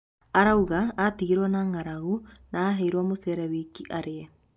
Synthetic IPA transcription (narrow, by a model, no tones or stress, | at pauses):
aɾauɣaːtiɣiɾwanaːŋaɾaɣunaːɦɛiɾwamosɛɾɛβikiʔaɾeɛ